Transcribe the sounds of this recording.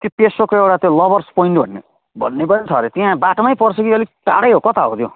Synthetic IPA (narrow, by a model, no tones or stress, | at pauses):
t̪jopesokoewʈat̪jolʌbʌrspoiɳʈbʱʌ̰nːḛ | bʱʌ̰nːepʌnit̪ʰʌɾet̪iãbaʈomajpʌrt͡sʰʌkiʌliʈa̰ɽʌjɦokʌt̪ʰaɦo̰t̪jo̰